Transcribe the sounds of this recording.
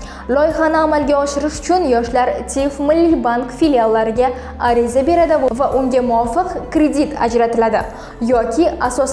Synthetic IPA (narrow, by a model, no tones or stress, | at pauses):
lˠɒjχanɨamalɡʲaɒʃɪɾɪʃʊ̥t͡ʃʰʊnjɒʃlaɾt̪ʲʰifmɪlːibaŋkfiljalˠːaɾɪɡʲa | aɾizabe̞ɾad̪ɪvaʔʊŋɡʲamʊwɒfɨqkɾʲe̞d̪it̪ʰa̰d͡ʒɾat̪ɪlad̪ɪ̰ | jɒkʲʰiasɒs